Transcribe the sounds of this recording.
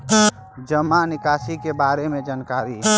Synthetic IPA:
d͡ʒəmanɪkaːsikebaːɾemẽd͡ʒankaːɾi

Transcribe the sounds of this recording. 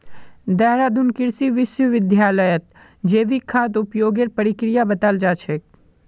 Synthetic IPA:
d̪ɛɦɾaːd̪unkɪɾsiʋɪsjəʋɪd̪ʱjaːləjət̪̚ | d͡ʒeːʋikʰːaːt̪ʊpjoːɡeɾpəɾɪkɾɪjabɐt̪əld͡ʒaːt͡ʃʰek̚

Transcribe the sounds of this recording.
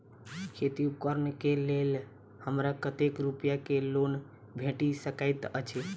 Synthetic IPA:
kʰet̪iupkəɾnkelel | həmɾakət̪ekɾupjakelon | bʱeʈisəkaɪt̪ət͡ʃʰe

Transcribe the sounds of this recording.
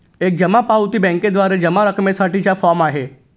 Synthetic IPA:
ek̚d͡ʒəmapawt̪ibɛ̃ŋked̪ʋaɾed͡ʒəmaɾəkmesaʈit͡ɕafɔɾmaɦe

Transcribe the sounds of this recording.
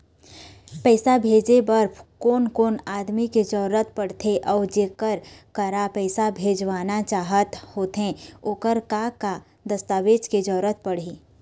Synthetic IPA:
pɛːsabʱeːd͡ʒebəɾpʰkoːnkoːnaːd̪miked͡ʒɔːɾət̪pəɽt̪ʰeʔɔːɾd͡ʒeːkəɾkəɾapɛːsabʱeːd͡ʒʋaːnat͡ʃaːɦət̪hoːt̪ɦẽoːkəɾkaka | d̪əst̪aːʋeːd͡ʒked͡ʒɔːɾət̪̚pəɽ̤iː

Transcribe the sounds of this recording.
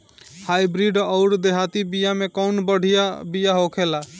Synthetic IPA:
haibɾiɖɔʊɾd̪eɦat̪ibijamekɔʊnbəɽ̤ʱijabijaɦokʰela

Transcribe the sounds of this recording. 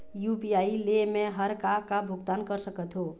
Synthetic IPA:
jupijailemeɦəɾkakabʱuɡ̚t̪ankəɾsəkət̪ɦo

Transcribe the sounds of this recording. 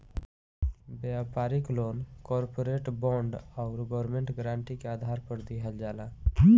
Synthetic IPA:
bjapaɾiklonkɔɾpoɾeʈbɔ̃ɳɖaʊɾɡɔɾmeɳʈɡɾãɳʈikeaːd̪ʱaɾpəɾd̪iɦəld͡ʒala

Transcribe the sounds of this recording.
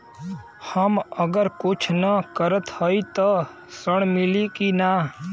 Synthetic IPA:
həməɡəɾkʊt͡ʃʰnəkəɾət̪hɔit̪ɔ | səɳ̃mɪlikina

